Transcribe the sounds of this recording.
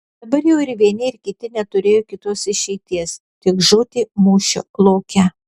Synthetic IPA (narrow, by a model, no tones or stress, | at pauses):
d̪ɐbɐɾjɛʊɪɾʋʲiɛnʲɪɪɾkʲɪt̪ʲɪnʲɛt̪ʊɾʲeːjoːkʲɪt̪uɔsɪʃʲɛɪt̪ʲiɛs | t̪ʲɪkʒʊːt̪ʲɪːmuːʃʲʊ̰lˠoːkʲɛ